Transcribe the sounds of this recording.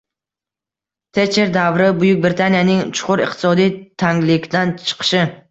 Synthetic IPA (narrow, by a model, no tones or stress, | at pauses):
t̪ʰet͡ʃʰeɾd̪avɾɪbʊjʊk̚ʲbɾɪt̪ʰanijanɪŋt͡ʃʰʊ̥qʰʊɾɨq̚t̪ʰɪ̥sɒd̪ijt̪ʰaŋlɪkʲd̪ant͡ʃʰɨ̥qʰɨ̥ʃɪ